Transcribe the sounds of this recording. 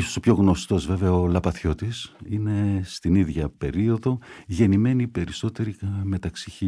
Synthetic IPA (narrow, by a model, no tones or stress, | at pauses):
so̥sopço̞ɣno̞st̪o̞zve̞ve̞ɐolɐpɐθço̞t̪isine̞st̪iniðʝɐpe̞ɾio̞ðo̞ʝe̞nime̞nipe̞ɾiso̞t̪e̞ɾime̞t̪ɐksiçi